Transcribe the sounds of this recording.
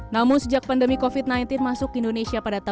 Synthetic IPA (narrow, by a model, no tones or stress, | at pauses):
namʊnsəd͡ʒak̚pandəmikofit̪̚najnt̪ɪnmasʊkindonesiapadat̪a